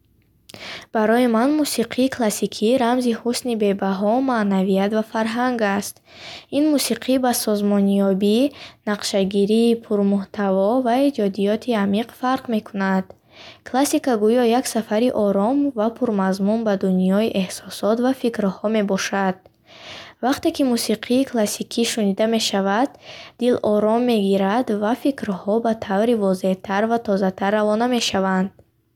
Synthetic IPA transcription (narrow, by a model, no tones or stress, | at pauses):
b̥aɾɔjimanmusiqʰiːkʰlasikʰiɾamzihusnibe̞baɦɔmaʔnavijat̪vafaɾɦaŋɡast̪ | inmusiqʰibasɔzmɔnjɔbinaqʃaɡiɾiːpʰuɾmuht̪ʰavɔvaed͡ʒɔd̪ijɔt̪ʰiamiqfaɾqme̞kʰunad̪̥ | kʰlasikaɡujɔjaksafaɾiʔɔɾɔmvapʰuɾmazmunbad̪unijɔiʔe̞hsɔsɔt̪vafikɾhɔme̞bɔʃad̪̥̚ | vaqt̪e̞kimusiqʰiːkʰlasikʰiʃunid̪ame̞ʃavad̪ːilʔɔɾɔmːe̞ɡiɾad̪vafikɾhɔbat̪ʰavɾivɔze̞ht̪ʰaɾvat̪ʰɔzat̪ʰarːavɔname̞ʃavand̪